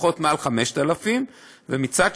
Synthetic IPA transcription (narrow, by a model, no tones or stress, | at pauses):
χo̞t̪mealχame̞ʃt̪alafim | vemit͡saɡ